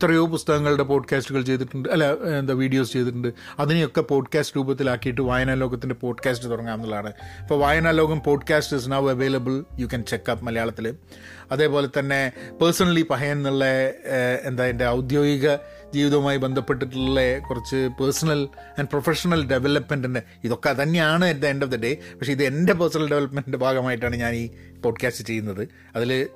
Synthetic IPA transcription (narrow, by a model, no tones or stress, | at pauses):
it̪ːrɐjo̞ːpust̪ɐɣɐŋːɐɭuɽe̞po̞ːɖkaːsʈuɣɐɭt͡ɕe̞jt̪̬iʈːuɳɖɨɐlːaend̪aʋiːɖijo̞ːst͡ɕe̞jt̪ːiʈ̬ːuɳɖɨ | ɐðinijo̞kːepo̞ːɖkaːsʈɨɾuːbɐt̪̬ːilaːkːijiʈ̬ːɨʋaːjɐnaːloːɣɐt̪ːinde̞po̞ːɖkaːsʈɨt̪urɐŋːaːmɐnːɐɭːaːɳɨfɐʋaːjɐnaːloːɡɐmpo̞ːɖkaːsʈis̬nɐʋɐʋeːlɐbɨljukɐnt͡ɕe̞kːaːpːmɐlɐjaːɭɐt̪ːilɨ | ɐðe̞ːpo̞ːle̞t̪ːɐnːe̞pɐrsɐnɐlipɐɦɐjɐnnːuɭːeː | nd̪aːjinde̞ɐwd̪jo̞ːɡiɣɐ | d͡ʑiːʋiðɐmaːjibend̪ʱɐpːe̞ʈːiʈ̬ːuɭːekurɐt͡ɕːɨpɐrsɐnɐl | ɐnɖprofeʂɐnɐlɖe̞ʋelɐpmenɖinde | iðo̞kːet̪ɐnːeaːɳɨend̪enɖofd̪ɐɖepɐkʂe̞iðɨende̞peːrsɐnɐlɖe̞ʋlɐpmenɖindebʱaːɡɐmaːjiʈ̬ːaːɳɨɲaːniː | po̞ːɖkaːstɨt͡ɕe̞jːunːɐðɨ | ɐðil